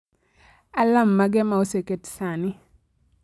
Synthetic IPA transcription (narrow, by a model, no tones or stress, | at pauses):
alamːaɡɛmaoseketsani